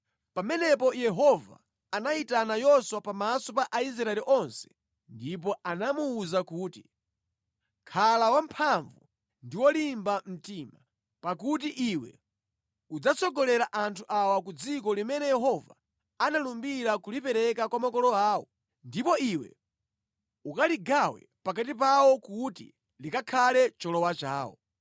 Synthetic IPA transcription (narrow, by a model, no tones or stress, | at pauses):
pamɛnɛpɔjɛɦɔva̰ː | naitanajɔswapamasɔpaʔais̬ɾaɛliʔɔnsɛ̥ | ndip̬ɔanamuːzakuːti | kʰalawam̩pʰaɱvu | ndiwɔlimbam̩tiːma | pakut̬iʔiwɛ̰ | ud͡zat͡sʰɔɡɔlɛɾaʔantʰuʔawakud͡zik̬ɔlimɛnɛjɛɦɔva̰ | analumbiɾakulipɛɾɛkakwamakɔlɔaːwɔ | ndipɔiwɛ̰ | ukaliɡawɛ̰pak̬at̬ip̬awɔkutḭ | likakʰalɛt͡ʃɔlɔwat͡ʃaːwɔ̰